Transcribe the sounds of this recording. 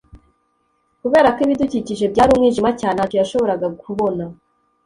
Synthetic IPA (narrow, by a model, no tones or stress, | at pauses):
kuβeːɾakoiβiduciciʒe̞bɟaːɾuːmŋiːʒimacaːnehacojaʃo̞βo̞ɾaɡaɡuβo̞na